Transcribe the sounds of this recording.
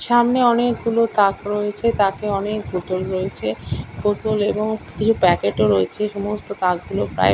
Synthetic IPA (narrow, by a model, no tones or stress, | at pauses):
ʃamneɔnekɡulot̪akɾoet͡ɕʰet̪akeɔnekbot̪olɾoet͡ɕʰepot̪oleboŋkit͡ɕʰupɛkeʈoɾoet͡ɕʰeʃɔmost̪ot̪akɡulopɾa̰e